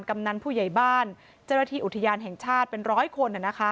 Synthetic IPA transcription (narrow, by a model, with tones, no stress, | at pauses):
nka˧mna˧npʰuː˥˩ja˨˩jbaː˥˩n | t͡ɕa˥˩wna˧t̪ʰiː˥˩ʔu˨˩t̪ʰːa˧jaː˧nɦɛ˨˩ŋt͡ɕʰaː˥˩t̪̚pe˧nɾɔː˦˥jkʰo˧nʔa˨˩na˦˥kʰa˦˥